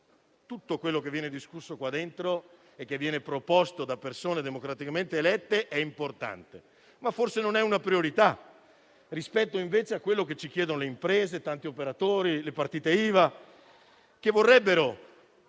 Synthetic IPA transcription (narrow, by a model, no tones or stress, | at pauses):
t̪ut̪ːokwelːok̬evːjɛːned̪iskusːokwad̪ːent̪ɾo | ek̟ːevːjɛːnepɾopost̪od̪apːersoːned̪emokɾat̪ikament̪eːlɛt̪ːeʔɛimport̪a̰nt̪e | mafːorsenonɛunapɾioɾit̪a | rispɛt̪ːoiɱveːt͡ʃeakːwelːok̟et͡ʃːik̟jɛːd̪onoleimpɾeːzet̪ant̪iopeɾat̪oːɾilepart̪iːt̪eiːva | k̟evːorːɛbːeɾo